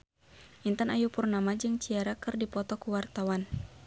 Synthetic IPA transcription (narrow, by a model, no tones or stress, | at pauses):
ʔint̪anajupurnamad͡ʒɨŋt͡ʃiaɾakɨrdipɔt̪ɔkuwart̪awan